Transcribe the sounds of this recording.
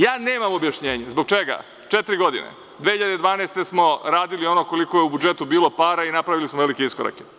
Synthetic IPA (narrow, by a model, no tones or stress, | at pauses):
jaːneːmamo̞bjaʃɲe̞ːɲezbo̞ɡt͡ʃeɡa̰ | t͡ʃet̪ɾiɡo̞d̪ḭnḛ | d̪ʋehçiʎad̪ed̪ʋaːnest̪e̞smo̞ɾaːd̪ilio̞no̞ko̞likojeubud͡ʒe̞t̪ubiːlˠo̞paɾainapɾaʋilismoʋe̞likeiskoɾa̰ke